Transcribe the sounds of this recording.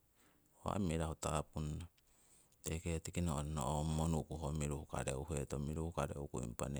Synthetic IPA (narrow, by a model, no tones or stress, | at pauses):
oa̰miɾahutapunːa | tejketikinoonoʔomːonukuɦomiɾuhuka̰ɾeuhetomiɾuhukaɾḛukuḭmpa̰ne